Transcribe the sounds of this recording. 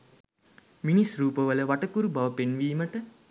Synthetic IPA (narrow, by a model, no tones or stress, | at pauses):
minisruːpəʋələʋaʈəkuɾubaʋəpenʋiːməʈə